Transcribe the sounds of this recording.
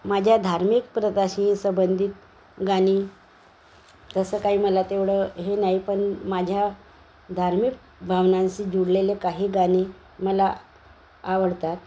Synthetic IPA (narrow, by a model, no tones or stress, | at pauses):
mad͡ʑʱjad̪ʱaɾmik̚pɾəd̪aɕiːsəbənd̪ʱiːt̪̚ | ɡaɽ̃iː | t̪əsəːkaɦiːməlat̪eʋɽəɦenaɦipəɳmad͡ʑʱja | d̪ʱaɾmik̚ | bʱaʋnãnt͡ɕiːd͡ʑuɽlelekaɦiːɡaɽ̃i | məlaː | ʋəɽt̪at̪̚